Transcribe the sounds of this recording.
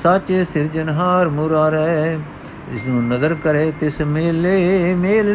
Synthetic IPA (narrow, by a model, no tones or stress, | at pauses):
sat͡ʃsɪɾd͡ʒənɦaːɾmʊːɾaːɾɛ | ɪ̰snũːnɐzəɾkəɾeːt̪ɪsmeːleːmeːl